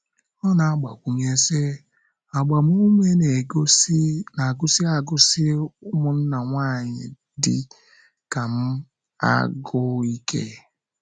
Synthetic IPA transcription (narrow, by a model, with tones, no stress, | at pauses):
ɔ˦na˨a˦ɡ͡ba˨kʷu˨ɲe˦se˦ | a˨ɡ͡ba˨m˦u˦me˦ne˨ɡsna˨ɡʊ˦si˦a˨ɡʊ˦sɪ˦ʊ˦mʊ˨n̩˦na˨ŋʷa˦˨ɲɪ̰˨ | dɪ˦ | ka˨m̩˦ | a̰˦ɡʊ˦i˦kʰḛ˦